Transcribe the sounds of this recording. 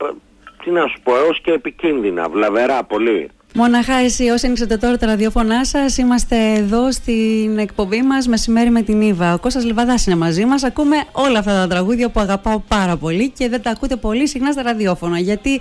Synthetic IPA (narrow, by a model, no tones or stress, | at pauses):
t̪inɐsu̥poeosceːpicinðinɐ̰vlɐveɾɐpo̞li | mo̞nɐxɐesio̞senikset̪e̞t̪o̞ɾɐt̪ɐɾɐðio̞fo̞nɐsɐsimɐst̪e̞ːðo̞st̪ine̞k̚po̞mbimɐzme̞sime̞ɾime̞t̪inivɐoko̞sɐzlivɐðɐsine̞mɐzimɐs̬ɐkume̞o̞lɐːft̪ɐt̪ɐt̪ɾɐɣuðʝɐpuɐɣɐpɐopɐɾɐpo̞lice̞ðe̞t̪ɐːkut̪e̞po̞lisixnɐst̪ɐɾɐðio̞fo̞nɐʝɐt̪i